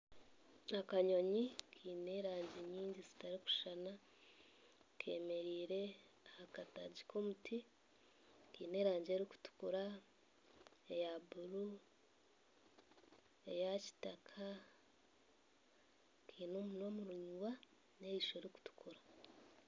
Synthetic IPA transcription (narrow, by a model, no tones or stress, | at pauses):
akaɲo̞ɲikʰiːne̞ɾaːɲɟeɲiːɲɟizi̥taɾiku̥ʃana | kʰe̞me̞ɾiːɾe̞ | hakataɟikʰoːmutʰi | kḭːne̞ːɾaːɲɟe̞ːɾiku̥tu̥kuɾa | e̞jabuɾu | e̞jaci̥takʰa | kʰiːnomuno̞muɾuɲuɡa | ne̞iʃo̞ɾiku̥tu̥kuɾa